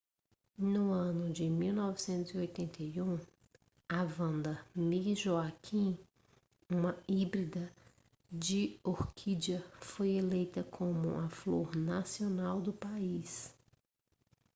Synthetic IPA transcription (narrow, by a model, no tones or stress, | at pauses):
nʊɐ̃nʊd͡ʒɪmiwnɔvɪsẽnt̪ʊziojt̪ẽnt̪ʰejũ | avɐ̃nd̪ɐmiʒoakʰĩ | ũmɐibɾid̪ɐ | d͡ʒɪoɾkʰid͡ʒɐfojelejt̪ɐkʰõmʊɐfloɾnasionawd̪ʊpais